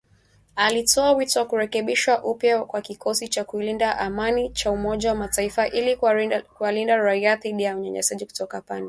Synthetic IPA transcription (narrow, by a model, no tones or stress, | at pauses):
alitʰɔawitɔwakuɾɛkɛɓiʃwaʔupjakwakikɔsit͡ʃakuilindaʔamanit͡ʃaumɔʄawamataifaʔilikualindaɾaiaθiɗijauɲɛ̰ɲɛ̰saʄiku̥tɔkapandi